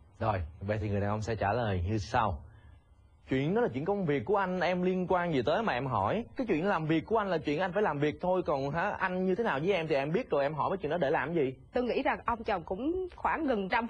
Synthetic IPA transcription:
zo˨˩jvɓa̰˧˨t̪ʰi˨˩ŋ˨˩jaː˨˩ʔwŋ͡msɛ̰˧˥t͡ɕaː˧˩ləː˨˩jɲɨ˧sa˧w | t͡ɕwḭ˧˨ənɗɔ˨˦laː˨˩t͡ɕwḭ˧˨ə˨kə˧wŋ͡mvi˨˩əkːu˧˩əʔa˧jŋ̟ʔɛ˧mli˧ənkwaː˧nzi˨˩t̪əː˨˦jmaː˨˩ʔɛ˧mɦɔ˧˩jkaː˨˦jt͡ɕwḭ˧˨n˨˦laː˨˩mvi˨˩ək̚ːu˧˩əʔa˧ŋlaː˨˩t͡ɕwi˧˨nʔa˧jŋ̟faː˧˩jlaː˨˩mvi˨˩ək̚t̪ʰo˧jkɔ˨˩nɦa̰ː˧˥ʔa˧jŋ̟ɲɨ˧e˨˦naː˨˩wzə˨˦jʔɛ˧mt̪ʰi˨˩ʔɛ˧mɓi˦˥ət̚zo˨˩jʔɛ˧mɦɔ̰˧˩jvəː˨˦t͡ɕwḭ˧˨nɗɔ˨˦ɗe˧˩laː˨˩mzi˨˩t̪o˧ŋḭ˧˥za˨˩ŋʔə˧wŋ͡mt͡ɕə˨˩wŋ͡mkʊ̰˧˥ŋ͡mxwaː˧˩ŋɣə˨˩nt͡ɕa˧m

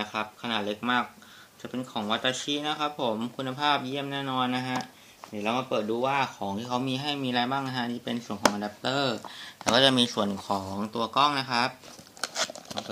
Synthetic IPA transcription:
a˦˥kʰa˦˥p̚kʰa˧naː˨˩t̪̚le˦˥k̚maː˥˩k̚ | t͡ɕa˨˩pe˧nkʰɔː˩˦ŋwa˦˥t̪ɾa˧t͡ɕʰi˦˥na˦˥kʰa˦˥pʰːo˨˩˦mkʰu˧nːa˧pʰaː˥˩p̚ji˥˩əmnɛː˥˩nɔː˧nːa˦˥ɦʰa˦˥ʔ | niː˧˨˩ɾa˧wmaː˧pɤː˨˩t̪̚duː˧waː˥˩kʰɔː˩˦ŋt̪ʰiː˥˩kʰa˦˥wmiː˧ɦa˥˩jmiː˧ɾaː˧jbaː˥˩ŋna˦˥ɦa˦˥niː˥˩pe˧nsu˨˩ənkʰɔː˩˦ŋʔa˧da˧˥p̚t̪ɤː˥˩lɛː˧˦˥wkɔː˥˩t͡ɕa˨˩ʔmiː˧su˨˩ənkʰɔː˩˦ŋt̪u˧ɐkɔ˥˩ŋna˦˥kʰa˦˥p̚ | kʰːŋ˧

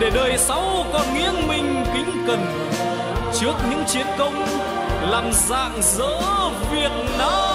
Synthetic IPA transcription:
ɗe˧˩ɗəː˨˩jsa˨˦wkɔ˧˩nŋwi˧ənmï˧ŋ̟kï˨˦ŋ̟kə˨˩n | t͡ɕɨ˦˥ək̚ɲɨ̰˧˥ŋt͡ɕi˨˦ənk̪ə˧˦wŋ͡m | laː˨˩mza̰ː˧˨ŋzə̰ː˧˥vi˨˩ək̚naː˨˦

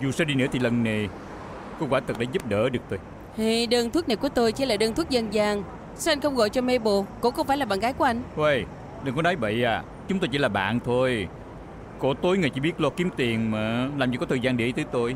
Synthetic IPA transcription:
zu˨˩saː˧ɗi˧nɨ˧˥ət̪ʰi˨˩lə˨˩nne˨˩ | ko˧waː˧˦t̪ɨ˨˩k̚ɗaː˧˦zu˦˥p̚ɗə̰ː˧˥ɗɨ˨˩ək̚t̪o˧j | hi˨˧˩ɗəː˧nt̪ʰwk̚na˨˩jku˧˩ət̪o˧jt͡ɕi˧˦laː˨˩ɗəː˧nt̪ʰu˦˥k̚zə˧nzaː˧ŋ | sa˧˦ʔa˧jŋ̟xə˧wŋ͡mɣɔ̰˧˨jt͡ɕɔ˧me˧ɓo˧˨kʊ̰˧˥ŋ͡mxə˧wŋ͡mfaː˧˩jlaː˨˩ɓa̰ː˧˨ŋɣaː˨˦jku˧˩˦ə˦ʔa˧ŋ̟wə˧˩j | ɗɨ˨˩ŋkɔ˨˦ɗaː˨˦jvə̰˧˨jʔaː˨˩ | t͡ɕʊ˨˦ŋ͡mt̪o˧t͡ɕi˧˦laː˨˩ɓa̰ː˧˨nt̪ʰo˧j | ko˧˩˦t̪o˨˦jŋɨ˨˩jt͡ɕḭ˧˦ɓi˦˥ət̚lɔ˧ki˨˦mt̪i˨˩əŋmaː˨˩laː˨˩mt͡ɕi˧kɔ˨˦t̪ʰəː˧˩zaː˧ŋɗḭ˧˩˨t̪ɨː˨˦t̪o˧j

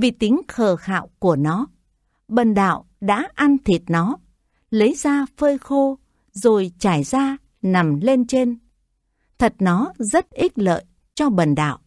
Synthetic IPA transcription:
vi˨˩t̪ï˨˦ŋxəː˨˩xa̰ː˧˨wku˧˩ənɔ˨˦ | ɓə˨˩nɗa̰ː˧˨w | ɗa̰ː˧˥ʔa˧nt̪ʰi˨˩ət̚nɔ˨˦ | lə˨˦jzaː˧fəː˧jxo˧ | zo˨˩jt͡ɕaː˧˩jzaː˧ | na˨˩mle˧nt͡ɕe˧n | t̪ʰə˨˩t̚nɔ˨˦zə˦˥t̚ʔi˦˥t̚lə̰ː˧˨j | t͡ɕɔ˧ɓə˨˩nɗa̰ː˧˨wʔ

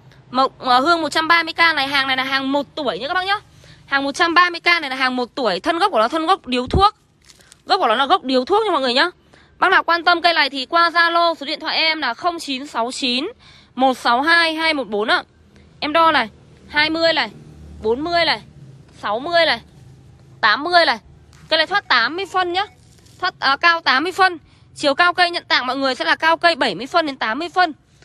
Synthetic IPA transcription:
mo˨˩ʔəː˨˩ɦɨ˧əŋmo˨˩t̚t͡ɕa˧mɓaː˧mɨ˧əjkaː˧na˨˩jɦaː˨˩ŋna˨˩jlaː˨˩ɦaː˨˩ŋmo˨˩t̚t̪u˧˩əjt͡ɕɨ̰˧˥kaː˦ɓaː˦˥ɲɔ˧ | haː˨˩ŋmo˨˩t̚t͡ɕa˧mɓaː˧mɨ˧əjkaː˧na˨˩jlaː˨˩ɦaː˨˩ŋmo˨˩t̚t̪u˧˩əjt̪ʰə˧nɣk͡p̚kːɔ˨˦t̪ʰə˧nɣə˦˥wk͡p̚ɗi˨˦əwt̪ʰu˦˥ək̚ | ɣk͡p̚ːɔ˨˦laː˨˩ɣə˦˥wk͡p̚ɗi˨˦əwt̪ʰu˦˥k̚ɲ˧ŋmɔ̰˧˨ŋɨ˨˩əjɲɔ˧ | ɓa˦˥naː˨˩wkwaː˧nt̪ə˧mkə˧jla̰ː˧˨jt̪ʰi˨˩kwaː˧zaː˧lo˧so˨˦ɗḭ˧˨nt̪ʰw̰a̰ː˧˨ʔɛ˧mlaː˨˩xə˧wŋ͡mt͡ɕi˨˦nsa˨˦wt͡ɕi˨˦n | mo˨˩t̚sɔ˨˦wɦaː˧jɦaː˧jmo˨˩t̚ɓo˨˦nʔaː˧˨ | ʔɛ˧mɗɔ˧laː˨˩ | haː˧jmɨ˧əjlaː˨˩jɓo˨˦nmɨ˧əjlaː˨˩sa˨˦wmɨ˧əjlaː˨˩ | t̪aː˨˦mːɨ˧əjlaː˨˩j | kə˧jlaː˨˩t̪ʰwaː˦˥t̚t̪aː˨˦mːɨ˧əjfə˧nɲaː˨˦ | t̪ʰwaː˦˥t̚ʔəː˨˩kaː˧wt̪aː˨˦mːɨ˧əjfə˧n | t͡ɕi˨˩əwkaː˧wkə˧jɲə̰˧˨nt̪a̰ː˧˨ŋmɔ̰˧˨ŋɨ˨˩əjsɛ̰˧˥laː˨˩kaː˧wkə˧jɓə˧˩jmɨ˧əjfə˧nɗe˨˦nt̪aː˨˦mːɨ˧əjfə˧n

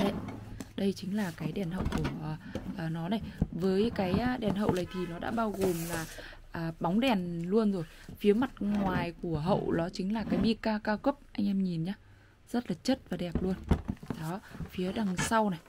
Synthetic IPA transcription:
ɗə˧˩jɗə˧jt͡ɕï˨˦ŋ̟laː˨˩kaː˨˦jɗɛ˨˩nɦə̰˧˨wku˧˩əʔʔəː˨˩nɔ˨˦na˨˩jvəː˨˦jkaː˨˦jɗɛ˨˩nɦə̰˧˨wna˨˩jt̪ʰi˨˩nɔ˨˦ɗa̰ː˧˥ɓaː˧wɣo˨˩mlaː˨˩ | ʔəː˨˩ɓa˨˦wŋ͡mɗɛ˨˩nlu˧ənzo˨˩jfi˨˦əma˨˩t̚ŋwaː˨˩jku˧˩əɦə̰˧˨wɗɔ˨˦t͡ɕï˨˦ŋ̟laː˨˩kaː˨˦jɓi˧kaː˧kaː˧wkə˦˥p̚ʔa˧jŋ̟ʔɛ˧mɲi˨˩nɲaː˧ | z̥ə˦˥t̚laː˨˩t͡ɕə˦˥t̚vaː˨˩ɗɛ˨˩p̚lu˧ənɗɔ˨˦fi˨˦əɗa˨˩ŋsa˧wna˨˩j

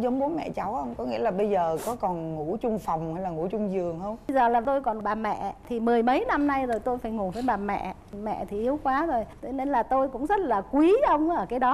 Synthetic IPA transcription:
zə˨˦wŋ͡mɓo˨˦mɛ̰˧˨t͡ɕa˨˦wʔə˧wŋ͡mkɔ˨˦ŋḭ˧˥əlaː˨˩ɓə˧jzəː˨˩kɔ˨˦kɔ˨˩nŋṵ˧˩˥t͡ɕʊ˧ŋ͡mfa˨˩wŋ͡mha˧jlaː˨˩ŋṵ˧˩˥t͡ɕʊ˧ŋ͡mzɨ˨˩əŋhə˧wŋ͡mjzəː˨˩laː˨˩t̪o˧jkɔ˨˩nɓaː˨˩mɛ̰˧˨˧t̪ʰi˨˩mɨ˨˩əjmə˨˦jna˧mna˧jzo˨˩jt̪o˧jfaː˧˩jŋu˨˩vəː˨˦jɓaː˨˩mɛ̰˧˨ | mɛ̰˧˨t̪ʰi˨˩ʔi˨˦əwkwaː˨˦zo˨˩jt̪ʰe˨˦ne˧nlaː˨˩t̪o˧jkʊ̰˧˥ŋ͡mzə˦˥t̚laː˨˩kwi˨˦ʔə˧wŋ͡mʔəː˧˩kaː˨˦jɗɔ˨˦

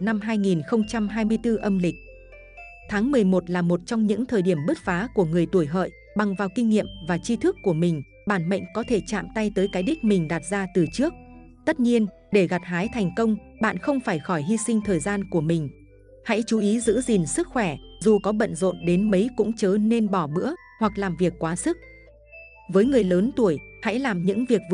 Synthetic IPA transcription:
na˧mɦaː˧jŋi˨˩nxə˧wŋ͡mt͡ɕa˧mɦaː˧jmɨ˧əjt̪ɨ˧ʔə˧mlï˨˩k̟̚ | t̪ʰaː˨˦ŋmɨ˨˩əjmo˨˩t̚laː˨˩mo˨˩t̚t͡ɕɔ˧wŋ͡mɲɨ̰˧˥ŋt̪ʰəː˨˩jɗi˧˩əmɓɨ˦˥t̚faː˨˦ku˧˩əŋɨ˨˩əjt̪u˧˩əjɦə̰ː˧˨j | ɓa˨˩ŋvaː˨˩wkï˧ŋ̟ːḭ˧˨əmvaː˨˩t͡ɕi˧t̪ʰɨ˦˥kːu˧˩əmï˨˩ŋ̟ | ɓaː˧˩nmə̰˧˨ŋ̟kɔ˨˦t̪ʰe˧˩t͡ɕa̰ː˧˨mt̪a˧jt̪əː˨˦jkaː˨˦jɗi˦˥k̟̚mï˨˩ŋ̟ɗaː˨˩t̚zaː˧t̪ɨ˨˩t͡ɕɨ˦˥ək̚ | t̪ə˦˥t̚ɲi˧ən | ɗe˧˩ɣa˨˩t̚ɦaː˨˦jt̪ʰɛ˨˩jŋ̟kə˧wŋ͡m | ɓa̰ː˧˨nxə˧wŋ͡mfaː˧˩jxɔ˧˩jɦi˧sï˧ŋ̟t̪ʰəː˨˩jzaː˧nku˧˩əmï˨˩ŋ̟ | ha̰˧˥jt͡ɕu˨˦ʔi˨˦zɨ̰˧˥zi˨˩nsɨ˦˥k̚xwɛ˧˩zu˨˩kɔ˨˦ɓə̰˧˨nzo̰˧˨nɗe˨˦nmə˨˦jkʊ̰˧˥ŋ͡mt͡ɕəː˨˦ne˧nɓɔ˧˩ɓɨ̰˧˥ə | hwa˨˩k̚laː˨˩mvi˨˩əkːwaː˨˦sɨ˦˥k̚ | vəː˨˦jŋɨ˨˩əjləː˨˦nt̪u˧˩əjha̰˧˥jlaː˨˩mɲɨ̰˧˥ŋvi˨˩ək̚v

